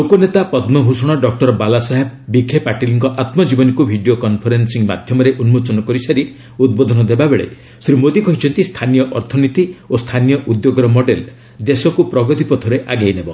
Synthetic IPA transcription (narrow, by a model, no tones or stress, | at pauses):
lokonet̪apɔd̪mɔɦusɔɽ̃ɔɖɔk̚ʈɔɾɔbalasaɦebbikʰːepaʈiliŋkɔʔat̪mɔd͡ʒibɔnikubʱiɖijokɔnpʰɔɾensiŋma̰d̪ʱjɔmɔɾeʔunmot͡ʃɔnɔkɔɾisaɾi | ud̪̚bod̪ʱɔnɔd̪ebabeɭḛ | sɾimod̪ikɔɦit͡ʃʰɔnt̪ist̪ʰanijɔʔɔɾt̪ʰɔnit̪iost̪ʰanijɔʔud̪joɡɔɾɔmɔɖel | d̪esɔkupɾɔɡɔt̪ipɔt̪ʰɔɾeʔaɡajnebɔ